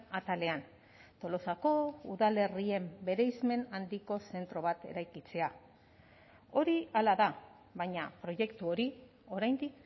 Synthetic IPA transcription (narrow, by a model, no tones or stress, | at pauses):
at̪ale̞an | t̪o̞lo̞sako̞uðale̞rie̞mbe̞ɾe̞jzme̞nand̪iko̞se̞nt̪ɾo̞β̞at̪e̞̰ɾajkit͡se̞a | o̞ɾialaða | βajɲapɾo̞ʝe̞kt̪uo̞ɾi | o̞ɾajnd̪ik